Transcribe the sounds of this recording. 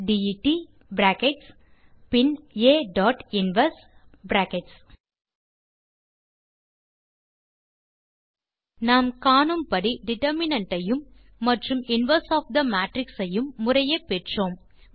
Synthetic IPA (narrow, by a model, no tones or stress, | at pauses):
ɖiʈi | bɾaːkɛʈs | pɪneːɖɔːʈɪnʋɐɾs | bɾaːkɛʈs | naːmkaːɳɯmpɐɽiɖɪʈɐɾmɪnɐɳʈɐjɯmː | ɐʈrɯmɪnʋɐɾsɔːfd̪ɐmaːʈɾɪksɐjɯmːʊrɐjɐpːɛʈroːm